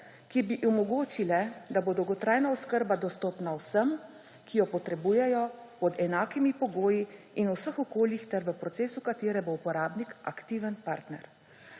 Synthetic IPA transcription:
kibiʔumɔɡoːt͡ʃilɛd̪aboːd̪owɡɔt̪ɾaːjnaɔskəɾbad̪ɔst̪ɔːpnawsəm | kijɔpɔt̪ɾɛbuːjɛjɔ | pɔd̪ɛnaːkimipɔɡoːji | inusəxɔkoːljixt̪ɛɾʋəpɾɔt̪seːsukat̪eːɾɛboupɔɾaːbnika̰kt̪iːʋənpaːɾt̪nɛ̰ɾ

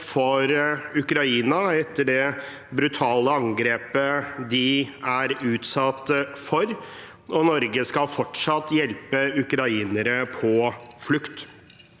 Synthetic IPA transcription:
fɔɾʉkɾɑiːnɑɛt̪ːəɖɛ | bɾʉt̪ʰɑːləɑŋɡɾeːpəd̪ɪæɾʉːt̪sɑt̪ːəfɔɾ | ɔnɔɾɡəskɑlfɔʈʂɑt̪ːjɛlpəʉkɾɑiːnəɾəpʰɔflʉkt̪

